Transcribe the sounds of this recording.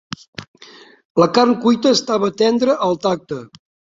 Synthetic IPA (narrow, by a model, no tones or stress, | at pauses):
ləkarnkujt̪əːst̪aβəːt̪ɛnd̪ɾəʔəlˠt̪ak̚t̪ə